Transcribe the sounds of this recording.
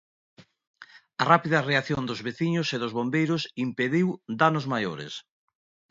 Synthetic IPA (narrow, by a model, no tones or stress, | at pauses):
ɐrapiðɐreaθjond̪ʊzβeθiɲʊseðʊzβombejɾʊsimpeðiwd̪anozmajoɾḛs